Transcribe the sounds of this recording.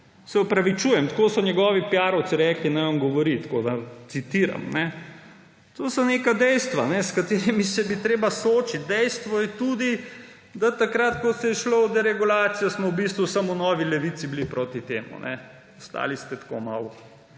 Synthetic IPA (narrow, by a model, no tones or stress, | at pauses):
sɛɔpɾɐʋit͡ʃuːjɛmt̪koːsɔɲɛɡɔːʋipjaːɾɔwt̪siɾɛklinajʋamɡɔʋɔɾit̪kod̪ɐat̪sit̪iːɾa̰mnɛ | t̪osɔneːkad̪ɛjst̪ʋanɛskat̪eːɾimisɛbit̪ɾeːbasoːt͡ʃit̪̚d̪ɛjst̪ʋɔjɛt̪uːd̪i | d̪at̪akɾat̪kɔsɛʃlod̪ɛɾɛɡulaːt̪sijasmɔwbist̪ʋusamunɔːʋilɛʋit̪siblipɾoːt̪it̪eːmṵnʔɛ̰ | ɔst̪a̰ːlist̪ɛt̪ko̰ma̰w